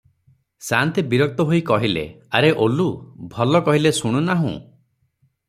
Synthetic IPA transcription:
sant̪ibiɾɔk̚t̪ɔɦoikɔɦilḛaɾeʔolubʱɔlɔkɔɦilesuɽ̃unaɦṵ̃

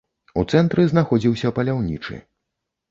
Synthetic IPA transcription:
ut̪sɛnt̪ɾɨznaxɔd͡zʲiwsʲɐpɐlʲawnʲit͡ʂɨ̰

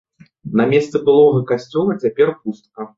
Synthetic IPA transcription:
nɐmʲɛst̪sɛbɨlˠɔɣɐkasʲt͡sʲɔlˠɐt͡sʲapʲɛrpust̪̚kɐ

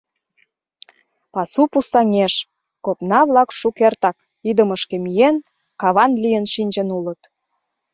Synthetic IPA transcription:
pɑsupusɑŋeʃ | kopnɑβlɑkʃukert̪ɑk | id̪əməʃkĕmyjen | kɑβɑnlijənʃinʲd͡ʑə̆nulət̪

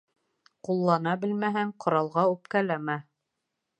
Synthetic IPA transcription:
qulˠːɑnɑbɘ̆lmæɦæŋqŏɾɑlˠʁɑʉp̚kælæmæ

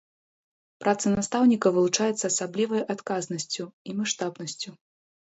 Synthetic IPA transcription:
pɾat̪sɐnast̪awnʲikɐvɨlˠut͡ʂajɛt̪sːɐːsablʲivɐjʔat̪kaznɐsʲt͡sʲuimaʂt̪abnɐsʲt͡sʲu

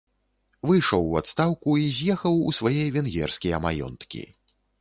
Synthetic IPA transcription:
vɨjʂɔwːa̰t̪st̪awkuizʲjɛxɐwṵsvajɛjɐvʲɛnɣʲɛ̰rskʲijɐmajɔ̰nt̪kʲḭ

